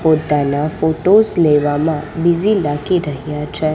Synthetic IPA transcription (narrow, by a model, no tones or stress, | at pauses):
pot̪anafoʈosleʋamãbizilakiɾəɦjat͡ʃʰe